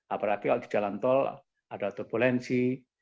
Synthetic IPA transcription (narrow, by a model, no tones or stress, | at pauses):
ʔapəɾakikaʔd̪i̤̥d͡ʒ̥alant̪ɔl | ad̥at̪ɔbolɛnsi